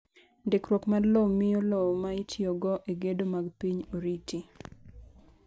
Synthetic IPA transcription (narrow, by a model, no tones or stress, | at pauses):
ndekɾwokmadlomɪolɔmaitʰjoɡɔʔeɡedomaɡpiɲoɾiti